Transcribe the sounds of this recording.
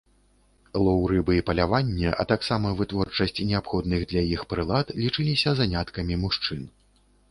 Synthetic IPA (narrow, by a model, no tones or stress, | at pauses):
lˠɔwɾɨbɨipɐlʲavanʲːɛʔɐ̰t̪aksamɐvɨt̪vɔrt͡ʂɐsʲt͡sʲnʲɛapxɔd̪nɨɣd̪lʲɐjixpɾɨlˠat̪lʲit͡ʂɨlʲisʲɐzanʲat̪kɐmʲimuʂt͡ʂɨn